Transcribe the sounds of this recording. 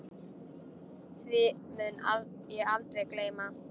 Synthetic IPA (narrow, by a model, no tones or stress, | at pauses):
θvɪmʏn | jɛalt̪ɾejkleːjma